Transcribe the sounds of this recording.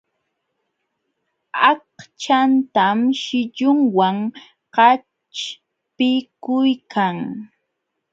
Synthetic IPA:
ɑqt͡ʃant̪amʃɪʎʊŋwaŋ | qɑ | t͡ʃ | pɪkʊjkʰaŋ

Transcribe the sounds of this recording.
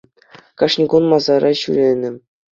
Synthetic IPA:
kɑʂnʲiɡunmɑzɑɾɑɕyɾʲenʲɘ̆

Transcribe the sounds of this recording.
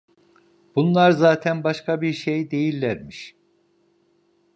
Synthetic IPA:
b̥unlˠaɾzaːt̪ʰænbaʃkabiɾʃejd̪e̞jilʲːæɾmiʃ

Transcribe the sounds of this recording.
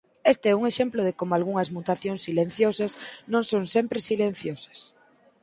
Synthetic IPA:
est̪eɛuŋeʃemploðekomalɣuŋɐzmut̪aθjõnsːilẽn̟θjosɐsnõŋsõnsempɾesilẽn̟θjosɐ̥s

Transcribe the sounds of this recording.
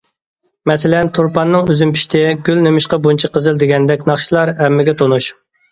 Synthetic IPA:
mɛsɪlɛnt̪ʰuɾpɑnːɨŋøzympʰi̥ʃt̪ʰɪɡʲylnemɪʃqɑbunt͡ʃʰɑqʰəzɨlˠd̪ɪɡʲɛnd̪ɛkʲnɑχʃilˠɑɾɛmːɪɡʲɛt̪ʰonuʃ

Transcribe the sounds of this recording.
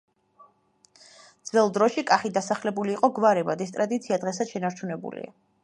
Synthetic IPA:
d̪z̥vɛlˠd̪ɾɔʃikʼaχid̪asaχlɛbuliːqʼɔɡvaɾɛbad̪ɛst̪ʼɾad̪it̪sʰiad̪ʁɛsad̪̥ʃɛnaɾt͡ʃʰunɛbṵlḭa̰

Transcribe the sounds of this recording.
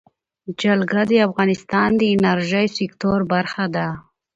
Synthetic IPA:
d͡ʒalɡad̪əafɣɑnɪst̪ɑnd̪əɪnaɾʒəjsɪkt̪oɾbaɾxad̪a

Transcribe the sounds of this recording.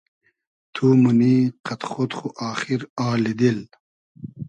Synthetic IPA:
t̪ʰumuniːqɐt̪xot̪χuʔaːxiɾaːlid̪il

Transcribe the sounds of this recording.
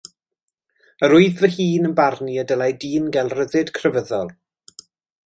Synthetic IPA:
əɾʊɨðvəhiːnənbarniədəlˠajdiːnɡɛlˠrəðɪd̥kʰrəvəðɔlˠ

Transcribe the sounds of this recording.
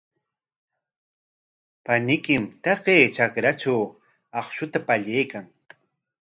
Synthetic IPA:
panɪkɪmt̪ɑqeːt͡ʃakɾaʈ͡ʂaw | ɑχʃʊt̪apaʎejkaŋ

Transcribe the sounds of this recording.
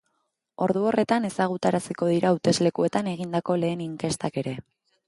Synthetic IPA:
o̞ɾðuo̞re̞t̪ane̞saɣ̞ut̪aɾasiko̞ð̞iɾʔaut̪e̞zle̞kue̞t̪ane̞ɣind̪ako̞le̞ːniŋke̞st̪ake̞ɾe̞

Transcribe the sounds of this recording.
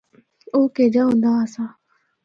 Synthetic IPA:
oːkeːd͡ʒaːɦõnd̪aːsaː

